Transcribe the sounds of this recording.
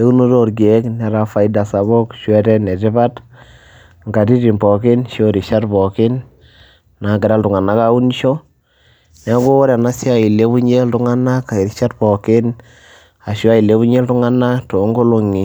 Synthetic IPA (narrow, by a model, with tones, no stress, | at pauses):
e˦u˦nu˦to˦ɾɡe˦knɛ˨ɾa˨fa˨ida˨sa˨βo˦kʃwɛ˦tɛ˦nɛ˨tɪ˦βa˦t | ŋɡa˨ti˦ti˨mpɔ˨kɪ˦nʃo˦ɾi˨ʃa˦tpɔ˨kɪ˦nː | na˨ɡɪ˨ɾa˦ltʊ˨ŋa˨na˦ka˦u˦ni˦ʃo˦ | nɛ˨˦ɡo˦o˦ɾja˨na˦sja˦i˨le˦βu˦ɲe˦ltʊ˦ŋa˦na˦ka˨i˨ɾi˦ʃa˦tpɔ˨kɪ˦n | a˨ʃja˦i˨le˦βu˦ɲe˦ltʊ˦ŋa˦na˦to˨˦ŋɡo˦lo˧ŋi˨